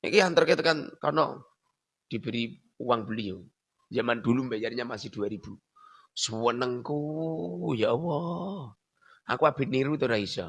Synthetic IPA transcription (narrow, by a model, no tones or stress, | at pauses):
ḭkiant̪ərket̪əkankɔnɔ̰ | d̪̥i̤b̥əɾi | uwaŋb̥əlio | d͡ʒamand̪̥ulumbajaɾɲamasɪhd̪̥uaɾib̥u | səwənəŋku | jaʔwɔ | a̰kuab̥ɪ̤t̪̚niɾut̪oɾaisa